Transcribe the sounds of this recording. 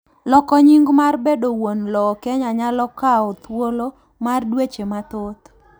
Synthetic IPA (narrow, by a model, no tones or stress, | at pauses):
lɔkɔɲiŋɡmarbedowonlɔkɛɲaɲalɔkaot̪wolo | mardwet͡ʃemat̪ot̪